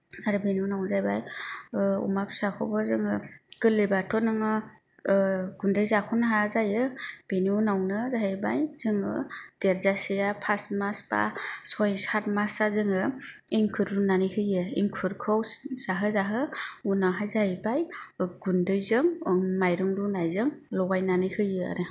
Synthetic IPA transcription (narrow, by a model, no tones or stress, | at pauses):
aɾɯbeniunawnzajbaj | ṵmapsakʰɔbɯzɯŋɯɡ̥ɯlebatʰɔnɯŋɯ | ɡundɯjzakʰɔnaɦazajɯb̥eniunawnɯzaɦɯjba̰jz̥ɯŋɯd̥eɾzasijapʰastmasba̰sɔjsat̚masazɯŋɯ | iŋkʰɯɾdunanikʰɯjɯḭŋkʰɯɾkʰɯwsz̥aɦɯzaɦɯunaɦajzahibajɡundɯjzɯŋmajɾɯŋdunajzɯŋlɔɡajnanɯkʰɯjɯa̰ɾɯ